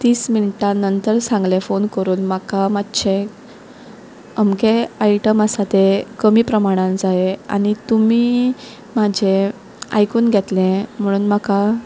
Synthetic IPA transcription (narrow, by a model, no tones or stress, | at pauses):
t̪iːsminiʈanənt̪əɾsãŋɡlefonkəɾuːnmakamatːd͡ʑʰe | əmkeaiʈəmasat̪ekəmiːpɾəmaɽ̃ãnd͡zaea̰ɽ̃it̪umiː | mad͡ʑʱe | a̰jkuːnɡʱet̪lẽm̤əɽ̃uːnmaka